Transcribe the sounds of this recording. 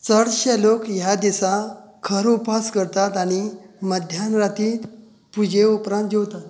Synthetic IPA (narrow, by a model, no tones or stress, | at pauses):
t͡səɽɕelokjad̪isakʰəɾupaskəɾt̪at̪aɽ̃iməd̪ʱjanɾat̪iːt̪ | pud͡ʑʱeupɾãnt̪̚d͡ʑewt̪at̪